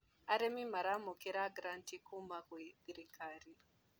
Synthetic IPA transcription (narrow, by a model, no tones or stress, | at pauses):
aɾemimaɾamukeɾaɡɾantikʰumakwe̥ɾikaɾi